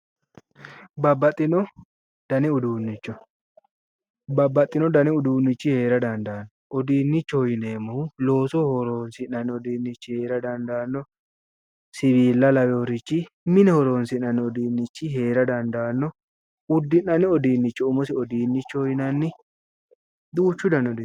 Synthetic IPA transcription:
bɐbːɐt̪ʼːɪnɔ | d̪̥ɐnɛʊd̪uːnːɪt͡ʃːɔ | bɐbːɐt̪ʼːɪnɔd̪ɐnɛʊd̪uːnːɪt͡ʃːɪhe̞ːɾɐd̪ɐnd̪aːnːɔʔɔd̪iːnːɪt͡ʃːɔhɔjɪneːmːulo̞ːsɔhɔɾoːnsɪnːɐnːɪɔd̪iːnːɪt͡ʃːɪhe̞ːɾɐd̪ɐnd̪aːnːɔ | sɪβiːlːɐlɐwɛɔɾɪt͡ʃːɪ | mɪnɛhɔɾo̞ːnsɪnːɐnːɪɔd̪iːnːɪt͡ʃːɪɦe̞ːɾɐd̪ɐnd̪aːnːɔ | ʊd̪ːɪnːɐnːɪɔd̪iːnːɪt͡ʃːɔʊmʊsɪɔd̪iːnːɪt͡ʃːɔhɔjɪnɐnːɪ | d̪uːt͡ʃːʊd̪ɐnɔd̪

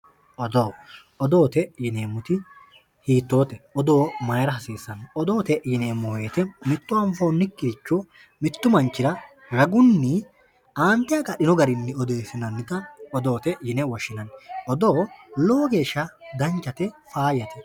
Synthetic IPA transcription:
ʔɔd̪oː | ɔd̪o̞ːt̪ɛjɪneːmːʊt̪ɪ | hiːt̪ːo̞ːt̪ɛɔd̪oːmɐjɾɐɦɐsiːsːɐnɔd̪oːt̪ɛjɪneːmːɔe̞ːt̪ɛmɪt̪ːʊɐɱfoːnːɪkːɪt͡ʃːɔ | mɪt̪ːʊmɐnt͡ʃːɪɾɐ | ɾɐɡʊnːɪ | aːnt̪ɪjɐɡɐɗɪnɔɡɐɾɪnːɪɔd̪eːsɪnɐnːɪt̪ɐɔd̪o̞ːt̪ɛjɪnɛwɔʃːɪnɐnɔd̪oːloːɡeːʃːɐd̪ɐnt͡ʃːɐt̪ɛfaːjɐt̪ɛ

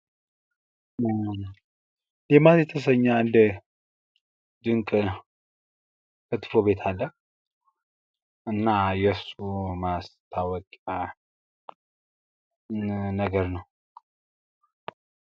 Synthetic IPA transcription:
lematjɛt̪ʰəs̬əɲːaɨnd̪ə | d̪ɨŋkʼ | kət̪ʰɨ̥fobe̞t̪ʰalːək | ɨnːajɛsumast̪ʰawəkʼə | nəɡəɾnəw

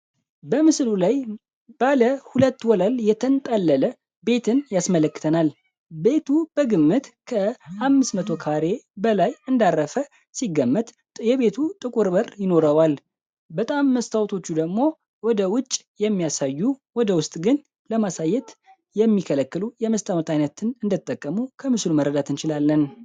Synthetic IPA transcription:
bəmɨslulaj | baləhulət̪ːwɔlaljɛt̪ʰənt̪ʼalːələ | be̞t̪ʰɨnjasmələkːɨ̥t̪ʰənal | be̞t̪ʰubəɡɨmːɨt̪kʰəamːɨsmət̪ʰo̞kʰaɾe̞bəlajɨnd̪arːəfə | siɡːəmːət̪ | jɛβe̞t̪ʰut̪ʼɨkʼuɾbərjɪno̞ɾəwal | bət̪ʼamːəst̪ʰawt̪ʰo̞t͡ʃːud̪əɡmo̞ | wɔd̪əwʊt͡ʃʼːjɛmːijasajːuwɔd̪əwʊst̪ʼɡɨn | ləmasajːɛt̪ | jɛmːikʰələkːɨlujɛməst̪ʰʼawt̪ʰajnət̪ɨnɨnd̪ɨt̪ʼːəkʼːəmukʰəmɨsluməɾːəd̪at̪ɨnt͡ʃɪlalːən

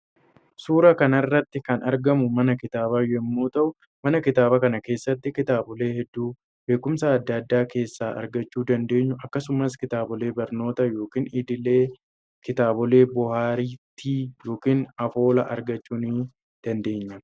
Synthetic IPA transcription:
suːɾɐkɐnɐrːɐt̪ːɪkɐnɐɾɡɐmʊmɐnɐkɪt̪aːbaːjʊɛmːuːt̪ɐʔʊ | mɐnɐkɪt̪aːbɐkɐnɐke̞ːsːɐt̪ːɪkɪt̪aːbɔle̞ːhɛd̪ːuː | be̞ːkːʊmsaɐd̪ːɐd̪ːaːke̞ːsːaːʔɐ̰ɾɡɐt͡ʃːuːd̪ɐnd̪e̞ːɲːʊʔɐkːɐsʊmɐskɪt̪aːbɔle̞ːbɐɾno̞ːt̪ɐjo̞ːkiːniːd̪ɪleː | kɪt̪aːbɔle̞ːbʊhaːɾiːt̪ʰːiːjo̞ːkiːnɐfo̞ːlɐ̰ʔɐɾɡɐt͡ʃːuːniː | d̪̥ɐnd̪e̞ːɲːɐ

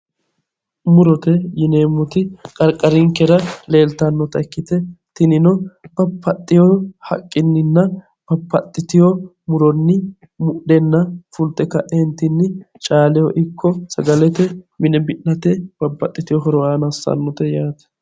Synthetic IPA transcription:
mʊɾɔt̪ɛjɪneːmːʊt̪ɪkʼɐɾkʼɐɾɪŋkɛɾɐle̞ːlt̪ɐnːɔt̪ɐɛkːɪt̪ɛt̪ɪnɪnɔb̥ɐpːɐt̪ʼːɪjɔhɐ̰kʼːɪnːɪnːɐ | b̥ɐpːɐt̪ʼːɪt̪ɪjɔ | mʊɾɔnːɪ | mʊʔɗɛnːɐfʊlt̪ːɛkɐʔɛnt̪ɪnːɪ | t͡ʃʼaːlɪjɔʔɪkʰːɔsɐɡɐlɛt̪ɛmɪnɛbɪʔnɐt̪ɛb̥ɐpːɐt̪ʼːɪt̪ɪjɔɦɔɾɔwaːnɐsːɐ̰nːɔt̪ɛjaːt̪ɛ̥

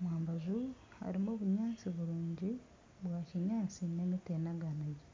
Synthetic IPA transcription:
mwaːmbazuha̰ɾimoːβuɲaːt͡siβuɾuːɲɟi | βwaːciɲaːt͡sinemitenaɡanaji

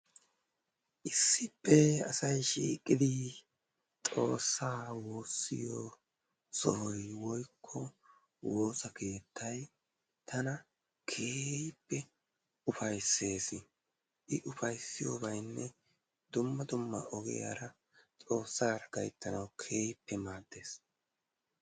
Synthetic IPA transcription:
ʔɪsːɪpːɛɐ̰sɐjʃiːkʼːɪd̪ɪ | t͡sʼo̞ːsːaːwo̞ːsːɪ̰jo | sɔhɔjwɔjkʰːɔ | wo̞ːsɐkʰe̞ːt̪ʰːɐj | t̪ʰɐnɐ | kʰeːjpːɛ | ʊfɐjsːe̞ːsɪ | ʔɪʔʊfɐjsɪjoːbɐjnːɛ | d̪ʊmːɐd̪ʊmːɐʔɔɡɛ̰ja̰ːɾɐ | t͡sʼo̞ːsːaːɾɐɡɐjt̪ːɐnɐwkʰe̞ːjpʰːɛmaːd̪ːe̞ːs

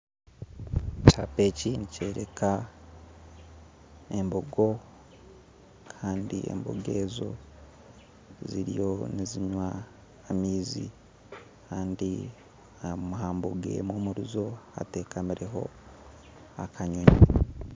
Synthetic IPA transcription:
cape̞cinice̞ːɾe̞kʰa | e̞mboɡo̞ | kʰaːndie̞̰mbo̰ɡe̞ːzo̞̰ | ziɾijo̞niziɲwaː | miːzḭ | kʰaːndi | amuɦaːmboɡḛmoːmuɾuzo̞ha̰te̞ːkamiɾʔe̞ɦo̞̰ | akʰaɲoɲi

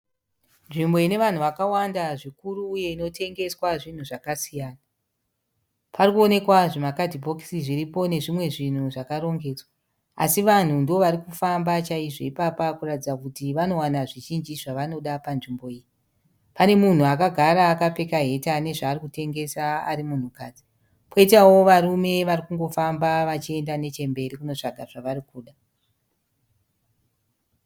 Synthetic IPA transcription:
nʐimboine̞ʋan̤uʋakawandaʐikuɾuːje̞ino̞tʰe̞ŋɡe̞swaʐin̤uʐakasijaːna | parikuo̞ne̞kwaʐemakadʱibʱo̞ksiʐiripo̞ne̞ʐimwe̞ʐin̤uʐakaɾo̞ŋɡe̞ːd͡zwa | a̰siʋan̤undo̞ʋaɾikufambat͡ʃaiʐo̞ipapakuratid͡zakutiʋano̞wanaʐiʒind͡ʒiʐaʋano̞ɗapanʐimbo̞iːji | pane̞mun̤uakaɡʱaɾaːkape̞kaɦe̞tane̞ʐaːrikute̞ŋɡe̞saa̰ɾimun̤ukaːd͡zi̥ | po̞itawo̞ʋarume̞ʋarikuŋɡo̞fambaʋat͡ʃie̞ndane̞t͡ʃe̞mbe̞ɾikuno̞t͡ʂaɡʱaʐaʋarikuːɗa

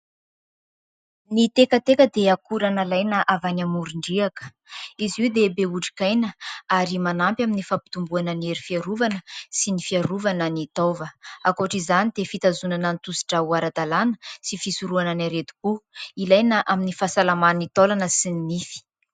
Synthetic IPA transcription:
nit̪ekət̪ekəd̪eakuɾanalajnəʔavanamuɾiɳɖ͡ʐiakə̥ | iziwd̪ebeuʈ͡ʂi̥kajnəaɾimanampʲaminifapi̥t̪umbuanənieɾifiaɾuvanəsinifiaɾuvanənit̪ovəakoaʈ͡ʂizanid̪̥efit̪azunanant̪usi̥ʈ͡ʂauaɾad̪alanə̥sifisuɾuananaɾet̪u̥kuilajnəʔaminifasalamannit̪olanəsininifi̥

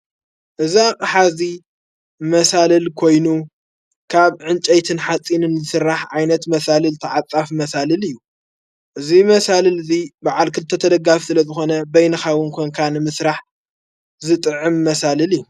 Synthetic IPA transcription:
ʔɨziakʼħazi | mɐsalɐlkʰo̞jnu | kʰaβʕɨnt͡ʃʼɐjt̪ʰɨnħat͡sʼinɨnzɨsɨrːaħʕajnɐt̪mɐsalɨlt̪ʰɐʕat͡sʼːafmɐsalɨlɨjːu | ʔɨzimɐsalɐlɨzibaʕalkʰɨlt̪ʰːɐt̪ʰɐd̪ɐɡafi̥sɨlɐzɨxo̞nɐbɐjnɐxawʊnkʰoŋkʰanɨmɨsɾaħ | zɨt̪ʼɨʕɨmːɐsalɨljːu

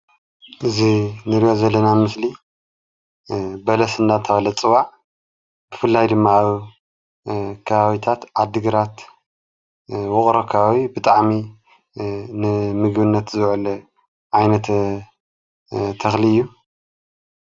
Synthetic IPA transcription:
ʔɨzinɨɾijozɐlːɐnanmɨsli | bɐlɐsɨndat̪ʰɐwɐlɐt͡sʼɨβaʕ | b̥ɨfɨlːajd̪ɨmːaːβ | kʰɐβaβit̪ʰat̪ʕad̪ːɨɡɨɾat̪ | wʊχʼɾɐkʰaβawibɨt̪ʼaʕmi | nɨmɨɡbɨnːɐt̪zɨwʕl | ʕajnɐt̪ | t̪ʰːɐxliɨjːu

